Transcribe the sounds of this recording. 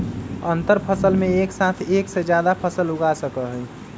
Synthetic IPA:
ənt̪əɾpʰəsəlmẽeksat̪ʰeksed͡ʒjad̪apʰəsəlʊɡasəkəɦəj

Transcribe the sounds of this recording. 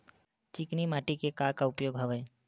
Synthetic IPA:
t͡ʃiknimaːʈikekakaʊpjoːɡɦɐʋəj

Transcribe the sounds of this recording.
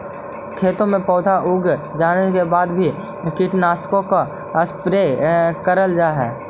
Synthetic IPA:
kʰeːt̪õmẽpɔːd̪ʱaʔʊɡd͡ʒaːnekebaːd̪bʱi | kɪʈnaːskõka | əspɾekəɾəld͡ʒaːɦɛː

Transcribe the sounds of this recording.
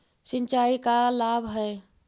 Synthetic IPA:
sɪ̃nt͡ʃaːikalaːbʱɦɛː

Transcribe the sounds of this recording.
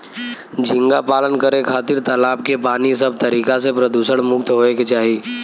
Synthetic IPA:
d͡ʒʱɪ̃ŋɡapaːlənkəɾekʰaːt̪ɪɾt̪əlaːpkepaːnisɐb̚t̪ɐɾiːkas̬epɾəd̪uːsəɽ̃mʊkt̪ɦoːekt͡ʃaːɦiː

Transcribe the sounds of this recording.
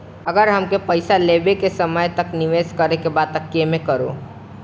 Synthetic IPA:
əɡəɾɦəmkepəɪsaleːbekesəməjt̪əknɪʋeːskəɾekebaːd̪̚t̪əkːemẽkəɾo̰ː

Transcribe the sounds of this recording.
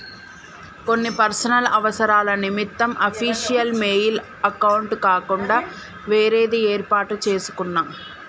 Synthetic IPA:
ko̞nːipɐɾsɐnɐlɐʋɐsɐɾaːlɐnimit̪ːɐmɐpʰiːʂijɐlmeːjil | ɐkɐwuɳʈkaːkuɳɖaː | ʋeːɾeːd̪eeːɾpaːʈut͡ʃeːsu̥kunːaː

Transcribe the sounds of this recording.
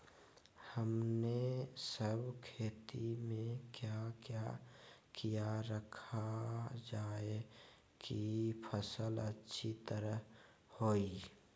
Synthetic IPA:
həmnesəbʱkʰeːt̪imẽkjakjakijaɾəkʰad͡ʒaːe | kipʰəsələtːʃʰit̪əɾəɦ | hoːi

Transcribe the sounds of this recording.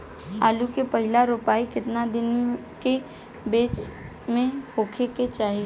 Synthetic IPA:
aːlukepɐɦɪlaɾʊpaːikɪt̪nad̪ɪn | ke | beːt͡ʃ | mẽhoːkʰeket͡ʃaːɦi

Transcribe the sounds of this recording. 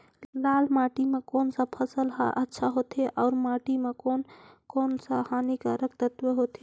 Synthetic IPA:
lalmaʈimekonsə̃pʰəsəlɦaʔətːʃʰaɦot̪eʔɔʊɾmaʈimekonkoːnsəhanikəɾəkt̪ət̪ʋəɦot̪e

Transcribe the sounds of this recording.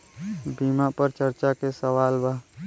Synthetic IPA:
bimapəɾt͡ʃəɾt͡ʃakesəʋaːlbaː

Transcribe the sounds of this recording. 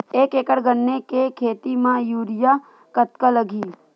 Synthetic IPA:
eːkeːkəɽɡənːekekʰeːt̪imãjuːɾɪja | kət̪kaləɡʱiː

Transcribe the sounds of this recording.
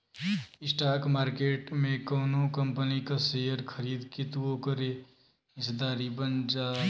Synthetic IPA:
ɪsʈaːkmaːɾkeːʈmẽkɔːnõkəmpənikaseːjəɾkʰəɾiːd̪kit̪uokəɾe | ɪsd̪aːɾibənd͡ʒaː

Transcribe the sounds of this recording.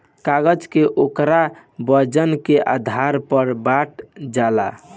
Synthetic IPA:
kaɡəd͡ʒkeʔokɾa | bəd͡ʒənkeʔa̰d̪ʱaɾpəɾbaʈ̚d͡ʒala̰

